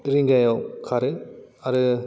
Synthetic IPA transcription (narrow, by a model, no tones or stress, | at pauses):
ɾiŋɡajokʰaɾɯaɾɯ